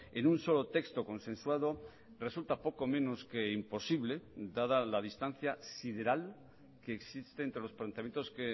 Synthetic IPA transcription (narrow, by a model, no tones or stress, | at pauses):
enũnso̞lot̪e̞kst̪oko̞nsẽ̞nswað̞o | re̞sult̪apo̞ko̞mẽ̞no̞skeimpo̞siβle̞d̪aðalaðist̪an̟θjasiðe̞ɾal | keːksist̪eːnt̪ɾelo̞splant̪eamjent̪oske